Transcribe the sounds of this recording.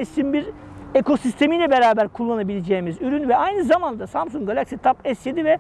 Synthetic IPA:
ɛsimbiɾ | eko̞sist̪ʰe̞mijlʲɛbeɾaːbæɾkʰulˠːanabilʲed͡ʒɛːimizyɾynvɛajnɯzamand̪asamsuŋɡalʲˠaksit̪ʰapɛsjed̪ivɛ

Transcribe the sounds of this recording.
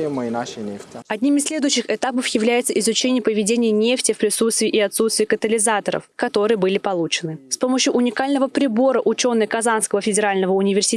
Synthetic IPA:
ɪməɪnaʃɪnʲeftʲɪɐdʲnʲimɪsʲlʲe̞d̪ʊjɕːɪxɪt̪apəfjɪvlʲæjɪt̪səʔɪzʊt͡ɕenʲɪjəpəvʲɪdʲenʲɪjənʲeftʲɪfpɾʲɪsut̪st̪vʲɪːʔɪɐt̪sut̪st̪vʲɪːkət̪əlʲɪzat̪əɾə̰fkɐt̪o̞ɾɨjəbɨlʲɪpɐlˠut͡ɕɪnɨfspo̞məɕːʊʔʊnʲɪkalʲnəvəpɾʲɪbo̞ɾəʔʊt͡ɕo̞nːɨjkɐzanskəvəfʲɪdʲɪɾalʲnəvəʊnʲɪvʲɪrsʲɪ

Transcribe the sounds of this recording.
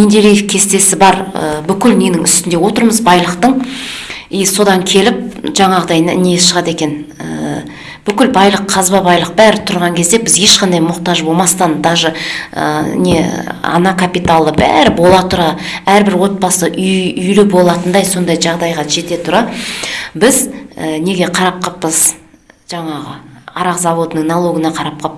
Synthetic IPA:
ind̪elijɪfkʲʰe̞st̪e̞sɪbɑɾə̰bʏkʲɪlne̞nɪŋʏst̪ɪnd̪e̞wo̞t̪əɾməzbɑjlˠəqt̪əɴ | ijso̞d̪ɑŋkʲʰe̞lɪp̚ʒɑɴɑʁəd̪ɑjnɪ̰nejesʃəʁɑt̪e̞kʲe̞nə | b̥ʏkʲɪlbɑjlˠəqʰːɑzbɑbɑjlˠəq̚bæɾɪt̪ʰʊɾʁɑŋkʲʰe̞zd̪e̞bɪze̞ʃqɑnd̪ɑjmʊqt̪ɑʒbo̞lˠmɑst̪ɑnd̪ɑʒə̰ | neɑ̰nɑkʰapit̪alˠəbæ̰ɾɪbo̞lˠɑt̪ʰʊɾɑ | æɾbɪɾwo̞t̪̚pɑsəʔʏjʏjlɪbo̞lˠɑt̪ənd̪ɑjso̞nd̪ɑjʒɑʁd̪ɑjʁɑʒe̞t̪e̞t̪ʰʊɾɑ | bɪzəne̞ɡʲe̞qʰɑɾɑp̚qəpːəz | ʒɑɴɑʁə̰ɑɾɑqzɑvo̞d̪ənəŋnalˠo̞ɡənɑqʰɑɾɑp̚qʰəp

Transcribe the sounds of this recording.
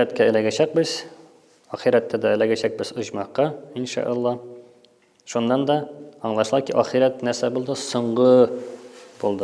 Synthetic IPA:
æt̪kʲæɘlæɡʲæɕæk̚bɘz̥ | ɒχiɾæt̪ːæd̪ɛːlæɡʲæɕæk̚bɘz̥ŏʑmɑqːɑinʃɑ̰ʔɑlˠːɑ | ʃunːɑnd̪ɒːɴlˠɑʃlˠɑkiʔɒχiɾæt̪næɾsæbulˠd̪ɤsŏɴʁɤ | b̥ulˠd̪ɤ

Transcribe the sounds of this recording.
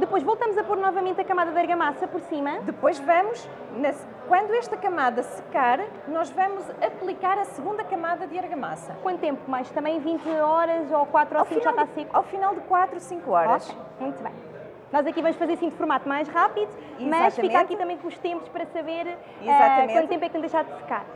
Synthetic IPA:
d̪ɨpojʒvɔlˠt̪ɐmuzɐpoɾnɔvɐmẽnt̪ɐkɐmaðɐðɐɾɣɐmasɐpɔɾsimɐd̪ɨpojʒvɐmuʃ | nɐ | kwɐ̃nd̪uɛʃt̪ɐkɐmaðɐsɨ̥kaɾ | nɔʒvɐmuzɐplˠikaɾɐsɨɣũnd̪ɐkɐmaðɐðɨɐɾɣɐma̰sɐkwɐ̃nt̪ut̪ẽmpu̥majʃt̪ɐ̃mbɐ̃j̃vĩnt̪ɔɾɐzokwat̪ɾasĩkaɾasĩkawfinalˠd̪ɨkwat̪ɾusĩŋkuɔɾoʃej | mũj̃t̪uβɐ̰̃j̃ | nɔzɐkivɐmuʃfɐzeɾɐsĩd̪fuɾmat̪umajʃʁapiðu | imɐaʃɐfiẽkatkit̪ɐ̃mɐ̃j̃kõuʃt̪ẽmpu̥ʃpɐɾɐsɐβeɾ | izɛatɐkmw̃ɐ̃t̪ẽmpɛkñd̪ejʃaɾd̪sɨ̥ka̰ɾ

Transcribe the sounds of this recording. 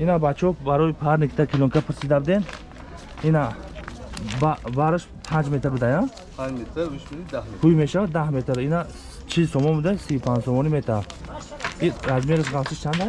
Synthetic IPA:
inabat͡ʃʰɔbaɾɔjipʰaɾnikʰt̪ʰakʰilɔŋkʰapʰɨɾsid̪abd̪en | ina | babaɾɨʃ | pʰãnd͡ʒmet̪ʰɾbɨd̪ajãn | hʰujmeʃavad̪ahmet̪ʰɾina | t͡ʃʰilsɔmɔnbud̪asiupʰãnd͡ʒsɔmɔnimet̪ʰa | iazmeɾəʃʁalsiʃt͡ʃʰand̪a

